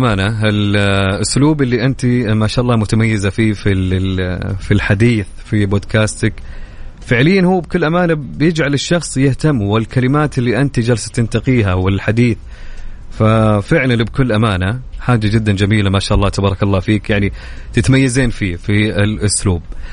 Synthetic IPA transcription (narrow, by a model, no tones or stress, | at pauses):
ʔamaːnaɪlʔʊsluːbɪlːiʔɪnt̪imaʃaːʔɑlːˤɑːmʊt̪amajːɪzafiːfi | filħad̪iːθ | fiboːd̪kʰaːst̪akfɪʕlɪjːanhuːb̚kʊlːʔamaːnabjɪd͡ʒʕalɪʃːɑxsˤjɪht̪amːwɪlkalɪmaːt̪ɪlːiʔɪnt̪id͡ʒalsḁt̪ɪnt̪aqiːɦawɪlħad̪iːθ | fafɪʕlanlbkʊlːʔamaːnaħaːd͡ʒad͡ʒɪd̪ːand͡ʒamiːlamaʃaːʔɑlːɑːt̪abɑːɾˤɑkɑlˤːɑːfiːkjaʕni | t̪ɪt̪majːazeːnfiːfiɪlʔʊsluːb̚